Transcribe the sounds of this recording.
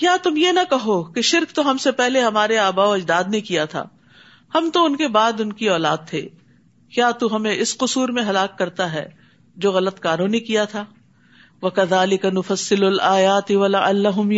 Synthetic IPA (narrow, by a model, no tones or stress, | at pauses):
kjaːt̪ʊmjenɐkɐɦokeʃɪɾkt̪oɦɐmsepɛɦleɦɐmaːɾeaːbaːoɐd͡ʒd̪aːd̪nekijat̪ʰa̰ː | hɐmt̪oʊnkebaːd̪ʊnkiɔːlaːd̪̚t̪ʰḛː | kjaːt̪uɦɐmẽɪsqʊsuːɾmẽɦɐlaːkːɐɾt̪aɦɛ̰ː | d͡ʒoːɣɐlət̪kaːɾõnekijat̪ʰaː | ʋɐkɐðaːlɪkɐnʊfɐsːɪlʊlaːjaːt̪ɪʋɐlɐʔɐ̰lːɐɦʊm